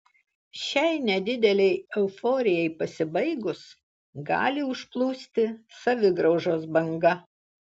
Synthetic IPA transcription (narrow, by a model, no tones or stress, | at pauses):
ʃʲɛɪnʲɛd̪ʲɪd̪ʲɛlʲɛɪɛʊfɔoːɾʲɪjɛɪpɐsʲɪbɐɪɡʊs | ɡɑ̰ːlʲɪʊʃplˠuːsʲt̪ʲɪsɐʋʲɪɡɾɒʊʒoːsbɐŋɡɐ